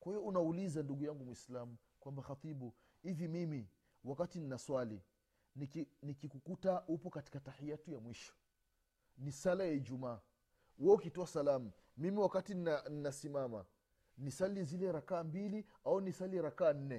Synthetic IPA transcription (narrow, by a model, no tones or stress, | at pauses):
kwahijɔunaulizanduɡujaŋɡumwislamu | kwambaxat̪ibu | hivimimi | wakatininaswali | nikinikikukutaupɔkati̥katahijatujamwiʃɔ̥ | nisalajaid͡ʒumaː | wɛukitɔasalamu | mimiwakatinianinasimama̰ | nisalizilɛɾakaːmbili | aunisaliɾakaːn̩nɛ